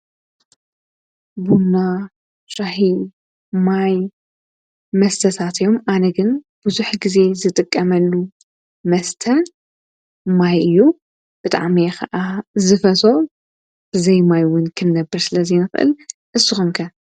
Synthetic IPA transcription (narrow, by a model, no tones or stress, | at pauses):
bunːa | ʃahi | maj | mɐst̪ʰɐt̪ʰat̪ʰjo̞mʔanɐɡɨn | b̥ɨzuħɡize̞zɨt̪ʼɨkʼːɐmɐlːu | mɐst̪ʰɐ | majɨjːu | b̥ɨt̪ʼa̰ʕmixɐʔazɨfɐt̪o̞ | b̥ɨzɐjmajwʊnkʰɨnːɐbɨɾsɨlɐzinɨxʔɨ̰lʔɨsːɨxomkʰɐ